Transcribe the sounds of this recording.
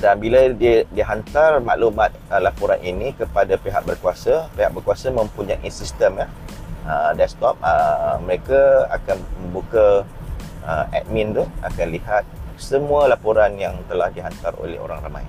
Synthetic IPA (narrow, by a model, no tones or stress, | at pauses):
danbiladidiəɦant̪arma̰ʔlumat̪̚əlapoɾa̰nʔinĩkəpadapeɦa̰k̚bərkuasapeɦa̰k̚bərkuasamə̃mpuɲaʔisist̪əmjaədɛst̪ɔp̚əməɾekaa̰kanmə̃mbuka | ə̰ɛ̰t̪̚mĩnt̪ua̰kanliɦat̪̚səmualapoɾanjaŋt̪əlahdiɦant̪aro̰lɛ̰ho̰ɾa̰ŋrama̰j